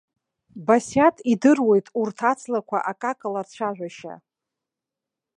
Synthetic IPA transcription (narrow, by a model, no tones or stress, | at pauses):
basjatʼidɨrwe̞jtʼurtʰat͡sʰʼlakʷʰa̰ʔakʼakʼalart͡ɕʷʰaʒᶣʷaʃa̰